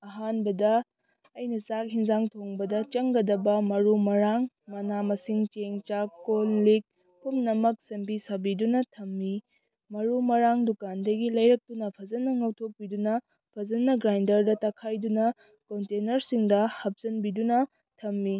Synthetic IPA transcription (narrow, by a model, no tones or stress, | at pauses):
ɐɦanbɐdɐ | ɐjnɐsak̚hiŋzaŋtʰoŋbɐdɐt͡ʃɐŋɡɐdɐbɐmɐɾumɐɾaŋ | mɐnamɐsiŋt͡ʃeŋt͡ʃakollik̚ | pʰumnɐmɐk̚sɐmbisɐbidunɐtʰɐmːi | mɐɾumɐɾaŋdukandɐɡilɐjɾɐk̚tunɐpʰɐzɐnɐŋɐwtʰok̚pidunɐ | pʰɐzɐnːɐɡɾajndɐɾdɐtɐkʰajdunɐ | kontenɐɾsiŋdɐhɐp̚zɐnbidunɐ | tʰɐmːi